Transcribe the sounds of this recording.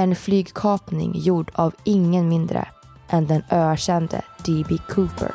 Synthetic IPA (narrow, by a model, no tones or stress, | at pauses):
ɛnflyːɡkʰɑːpnɪ̰ŋjuːɖaːvɪŋːənmɪnd̪ɾə̰ | ʔɛnd̪ɛnøːæɕɛnd̪ə̰d̪̥ibɪkʰuːpə̰ɾ